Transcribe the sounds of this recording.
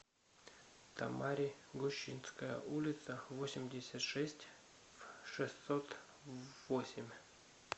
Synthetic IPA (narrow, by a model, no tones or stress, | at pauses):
t̪ʰa̰maɾʲiɡʊɕːinskəjə̰ʔulʲɪt̪səvosʲɪmʲdʲɪsʲat̪ʂɛsʲtʲ | ʂɨst̪sot̪ | vosʲɪmʲ